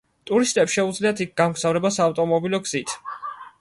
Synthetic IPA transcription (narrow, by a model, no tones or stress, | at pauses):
t̪ʼuɾist̪ʼɛpsʃɛud̪zliat̪ʰik̚ʰɡ̥amɡzavɾɛbasaːft̪ʼɔmɔbilɔɡz̥it̪ʰ